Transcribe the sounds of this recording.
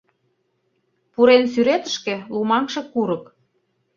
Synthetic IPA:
puɾensyɾet̪ə̆ʃkĕlumɑŋʃĕkuɾɤ̆k

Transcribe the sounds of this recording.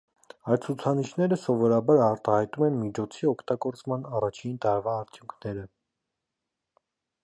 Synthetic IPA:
ɑjt̪̚t͡sʰut͡sʰɑniʃnɛɾəsɔvɔɾɑbɑɾɑɾt̪ɑhɑjt̪umɛnmit͡ʃʰɔt͡sʰiɔkʰt̪ɑɡɔɾt͡smɑnɑrɑt͡ʃʰint̪ɑɾvɑːɾt͡s̪ʰjuŋkʰnɛɾə

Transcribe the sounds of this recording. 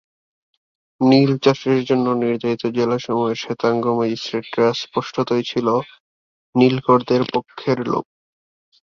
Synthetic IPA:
nilt͡ɕaʃɾeɾd͡ʑonːoniɾd͡ʑait̪od͡ʑelaʃɔmɔeɾʃet̪aŋɡomad͡ʑisʈɾeʈ̚ʈɾaspoʃʈʰot̪ojt͡ɕʰilo | nilkoɾd̪eɾpokʰːeɾlo̰k̚

